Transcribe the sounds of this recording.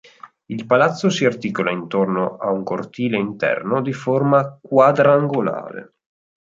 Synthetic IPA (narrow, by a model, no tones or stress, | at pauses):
ilpalat̪sːosiart̪iːkolaint̪ornoʔauŋkort̪iːleint̪ɛ̰rnod̪iformakwad̪ɾaːŋɡola̰ːɾḛ